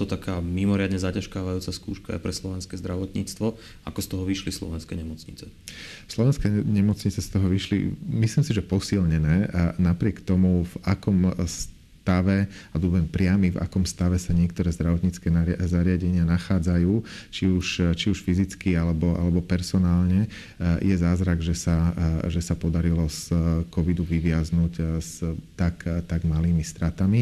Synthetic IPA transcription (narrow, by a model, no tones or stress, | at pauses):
t̪ɔt̪akaːmimɔɾɪad̪ɲɛzacaʃkaːʋajuːt͡saskṵːʃkaa̰ɪpɾɛslɔʋɛnskɛzd̪ɾaʋɔt̪ɲiːt͡st̪ʋɔ | ʔakɔst̪ɔɦɔʋiʃlislɔ̰ʋɛnskɛɲɛmɔt͡sɲit͡sɛ | slɔʋɛnskɛɲɛmɔt͡sɲit͡sɛst̪ɔɦɔʋiʃlḭmisliːmsiʒɛpɔsilɲɛnɛːnapɾɪɛkt̪ɔmuvakɔms | t̪aʋɛab̪ɔbɔʋɛmpɾɪamiva̰kɔmst̪aʋɛsaɲɪɛkt̪ɔɾɛːzd̪ɾaʋɔt̪ɲit͡skɛːnazaɾɪaɟɛɲɪanaxaːd͡zajuːt͡ʃiuʃt͡ʃiuʃfizit͡skialɛbɔʔa̰lɛbɔpɛɾsɔnaːlɲɛ | jɛzaːzɾaɡʒɛsaʒɛsapɔd̪aɾilɔskɔʋid̪uʋiʋɪaznucst̪akt̪aɡmaliːmist̪ɾat̪ami